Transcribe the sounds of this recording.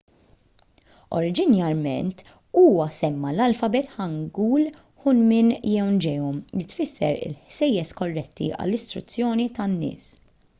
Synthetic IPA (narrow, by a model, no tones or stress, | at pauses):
ɔ̰ɾɪd͡ʒɪnjɐɾmɛ̰nt̪ | uːwɐsɛmːɐlɐlfɐbɛt̪ħɐŋɡuːl | ħʊnmɪnjɛwnd͡ʒɛjɔmlɪt̪fɪsːɛɾɪ̰lħsɛjːɛskɔrːɛt̪ːḭʔɐ̰lːɪst̪ɾʊ̰t͡sːjɔːnit̪ɐnːɪ̰ːs